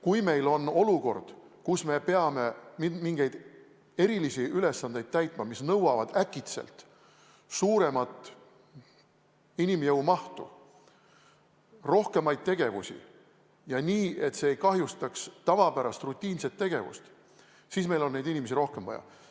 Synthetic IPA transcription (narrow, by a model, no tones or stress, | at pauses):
kujme̞jlo̞no̞luko̞̰rd̪̥ | kusme̞pe̞ɑme̞mimiŋɡ̥e̞jd̪̥ | e̞ɾilisiʔyle̞sːɑnd̪ejd̪̥̚t̪æjt̪ˑmɑmisnɤwɑvɑd̪̥ækːˑit̪se̞̰lt̪ | suːɾe̞mɑt̪ˑ | inimjɤwmɑht̪ṵ | ro̞hke̞mɑjd̪̥̚t̪e̞ɡ̥e̞vṵsʲḭ | jɑniːe̞t̪se̞ejkɑɦjust̪ɑkst̪ɑvɑpæɾɑst̪rut̪ʲːˑiːnse̞t̪ːe̞ɡ̥e̞vṵst̪ | siːsme̞jlo̞nne̞jd̪inʲime̞s̬iɾo̞hkemvɑjɑ̰